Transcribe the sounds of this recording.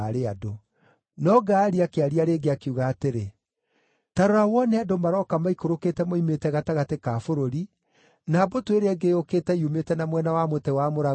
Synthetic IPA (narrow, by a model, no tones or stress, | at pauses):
ɾeado | nɔɡaːɾiakeaɾiaɾeːɡeakeuɣaːteɾe | taɾoɾawɔnɛadomaɾɔkamaikoɾokeːtɛmoimetɛɣataɣatekaːfoɾoɾi | nabotweɾɛɡeoketɛiumetɛnamwɛnawamotɛwamoɾa